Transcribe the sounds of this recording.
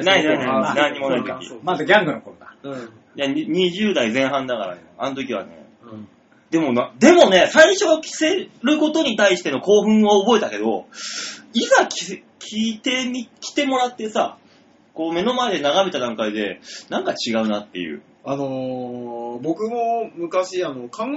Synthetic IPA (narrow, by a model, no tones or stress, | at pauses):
nainainanãɲ̟ːimo̞nait̪okʲḭmad̪aɡʲãŋɡɯ̟nokoɾod̪ḁ | jaɲ̟iʑɨːd̪aizẽ̞ɰ̃ɦãnd̪akaɾa̰neano̞t̪o̞k̬ʲiβa̰ne̞̰ | d̪̥e̞mo̞nad̪e̞mo̞ne̞saiɕo̞βakʲʰi̥se̞ɾɯ̟ko̞t̪o̞ɲ̟it̪aiɕi̥t̪e̞no̞ko̞ːɸɯ̟̃ɰ̃oːbo̞e̞t̪ake̞d̪o̞̰ | izakʲi | kʲʰiːt̪e̞ikʲi̥t̪e̞mo̞ɾat̪ːe̞sa̰ | ko̞ːme̞no̞maed̪e̞naɡame̞t̪ad̪ãŋkaid̪e̞nãŋkat͡ɕiɡaɯ̟nat̪ːe̞̰jɯ̟̰ː | ano | bo̞kɯ̟momɯ̟kaɕiano̞kʰãŋ